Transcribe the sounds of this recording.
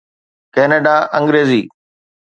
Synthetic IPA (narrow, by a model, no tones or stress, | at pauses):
kɛːneːɖaʔə̃ŋɡɾeːziː